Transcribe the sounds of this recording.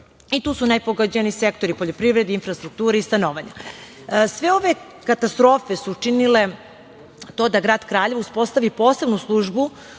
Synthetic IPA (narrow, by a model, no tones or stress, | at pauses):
it̪uːsunajpoɡad͡ʑanisekt̪o̞ɾipo̞ʎʲo̞pɾiʋɾed̪infɾast̪ɾuk̚t̪uːɾeist̪anoːʋaɲa̰ | sʋe̞o̞ʋe | kat̪ast̪ɾo̞ːfesuːt͡ʂinile | t̪o̞ːd̪aɡɾaːd̪kɾaːʎeʋuspo̞st̪aʋipo̞ːse̞bnuslˠuʒbu